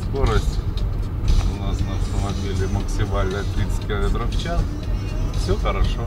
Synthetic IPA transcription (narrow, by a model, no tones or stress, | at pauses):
sko̞ɾəsʲtʲ | ʊnasnɐft̪əmɐbʲelʲɪməksʲɪmalʲnət̪ɾʲit̪sɨ̥tʲkʲɪlˠɐmʲet̪ɾəft͡ɕas | fsʲɵxəɾɐʂo